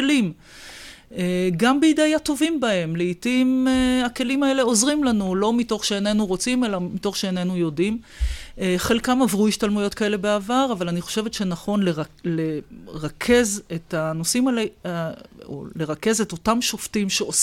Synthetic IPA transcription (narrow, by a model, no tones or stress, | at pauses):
lim | eɡambeidajato̞vimbae̞mleitimeake̞limae̞le̞o̞zʁimlanulo̞mito̞χʃeːnenuʁo̞t͡sime̞lamito̞χʃeenenujo̞dim | eχe̞lkamavʁuiʃtalmujo̞tkae̞le̞beavaʁavalaniχo̞̥ʃe̞vetʃe̞naχo̞nleʁleʁakʰe̞zetanosimale | o̰leʁake̞ze̞to̞tamʃoftimʃeos